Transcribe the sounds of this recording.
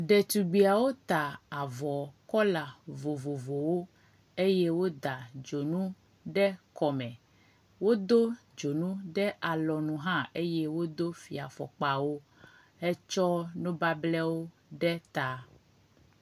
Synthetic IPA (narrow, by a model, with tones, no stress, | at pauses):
ɖɛ˨t̪u˨ɡ͡bi˨a˨wo˦t̪a˨a˨vɔ˨kɔ˦la˨vo˨vo˨vo˨wo˦ | e˦jɛ˦wo˦d̪a˨d͡ʒo˨nũ˦ | ɖɛ˦kɔ˨mɛ̃˨ | wo˦d̪o˦ | d͡ʒo˨nũ˦ɖɛ˦ʔa˨lɔ˨nũ˨ɦã˦e˦jɛ˦wo˦d̪o˦fḭ˨a˨fɔ̰˨k͡pa˨wo˦ | ɛ˦t͡ʃɔ˦nũ˦ba˦blɛ˦wo˦ | ɖɛ˦t̪a˨